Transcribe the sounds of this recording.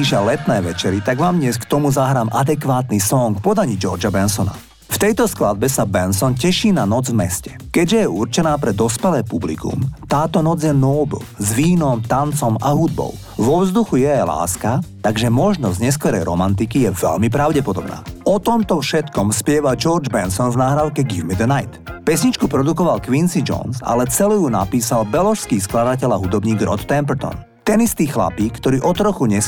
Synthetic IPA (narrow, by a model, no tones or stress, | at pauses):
iʃalɛt̪nɛːʋɛt͡ʃɛɾit̪aɡʋaːmdɲɛskt̪ɔmuzaɦɾaːmʔad̪ɛkʋaːt̪nisɔŋkpɔd̪aɲid͡ʒɔɾd͡ʒabɛnsɔna̰ | ft̪ɛjt̪ɔsklad̪̚bɛsabɛnsɔncɛʃiːnanɔd͡zvmɛscɛ̥ | kɛɟʒɛjɛurt͡ʃɛnaːpɾɛd̪ɔspɛlɛːpublḭkṵmt̪aːt̪ɔnɔd͡zjɛnɔːb̰lzʋiːnɔmt̪ant͡sɔmaɦud̪̚bɔ̰ʊ | ʋɔvzd̪uxujɛajla̰ːskat̪aɡʒɛmɔʒnɔzɲɛs̬kɔɾɛjɾɔ̰mant̪̬ikijɛʋɛ̰ʎmipɾaʊɟɛpɔd̪ɔbna̰ːɔt̪ɔmt̪ɔfʃɛt̪kɔmspɪɛʋad͡ʒɔɾd͡ʒbɛnsɔnvnaːɦɾaʊkɛɡivmid̪ənaɪt̪pɛsɲit͡ʃkupɾɔd̪ukɔʋalkʋinsid͡ʒɔ̰nsa̰lɛt͡sɛlujunapiːsalbɛlɔʃskiːsklad̪acɛʎaɦud̪ɔbɲiːɡɾɔ̰t̪ːɛmpɛɾt̪ɔ̰n | t̪ɛnist̪iːxla̰piːkːt̪ɔɾiːʔɔt̪ɾɔxuɲɛ